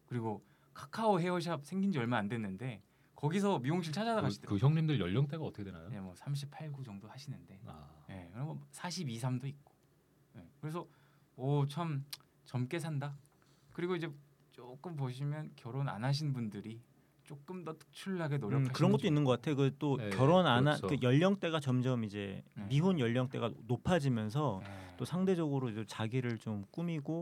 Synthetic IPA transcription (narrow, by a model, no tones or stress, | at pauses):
kɯɾiɡo | kʰakʰaoɦe̞wʌɕ̬ʰap̚sʰe̞ŋɡind͡ʑiʌɭmaandwenːɯnde̞ | kʌɡis̬ʰʌmioŋɕ̬ʰiɭt͡ɕʰad͡ʑadaɡaidekɯçjʌŋɲimdɯɭjʌʎːʌŋt͈eɡatʰʌkʰewena̰jojemwʌsʰamɕ̬ʰipʰaɭɡud͡ʑʌŋdohaɕʰinɯnde̞a̰je̞̰kɯɾʌʌsʰaɕʰibis̬ʰamdoik̚k͈o̥ | je̞kɯɾe̞s̬ʰʌ | ʌt͡ɕʰam | t͡ɕʌmk͈e̞sʰanda | kɯɾiɡoid͡ʑe̞ | t͡ɕ͈ok͈ɯmp̬oɕ̬ʰimjʌnkjʌɾona̰nɦaɕ̬ʰinbundɯɾi | t͡ɕ͈ok͈ɯmdʌt͈ɯ̥k̚t͡ɕʰuɭːaɡe̞noɾjʌkʰakɯɾʌnɡʌtt͈oinːɯnɡʌk͈atʰejokɯt͈okjʌɾonanakɯjʌʎːʌŋt͈e̞ɡat͡ɕʌmd͡ʑʌmid͡ʑe̞̰miɦonjʌʎːʌŋt͈e̞ɡanopʰad͡ʑimjʌns̬ʰʌt͈osʰaŋde̞d͡ʑʌɡɯɾod͡ʑet͡ɕaɡiɾɯɭt͡ɕomk͈umiɡo